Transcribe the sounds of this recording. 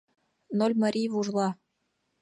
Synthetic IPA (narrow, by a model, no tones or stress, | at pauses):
nolʲmɤ̆ɾʲijvuʒlˠɑ